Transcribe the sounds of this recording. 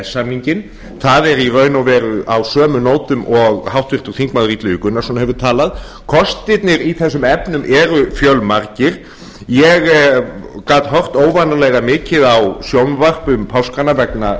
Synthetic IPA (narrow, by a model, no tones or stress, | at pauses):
ɛsːamniɲcɪn | θaðɛɾirœːɥnawvɛːɾʏawsœːmʏnoːwt̪ʏmɔɣhawht̪vɪr̥t̪ʏɾθiŋkmaðriːt̪lʏʏkʏnaɾsɔnaɦɛvʏɾt̪ʰaːlað | kʰɔst̪ɪt̪̚nɪɾiθɛs̬ːʏmɛpnʏmʔɛɾʏfjœlmaɾcɪɾ̥ | jɛɣ | kaːt̪ɦœr̥t̪oːwvanalɛɣɣamɪːcɪðawsjownvar̥pʏmpʰawskanːavɛkna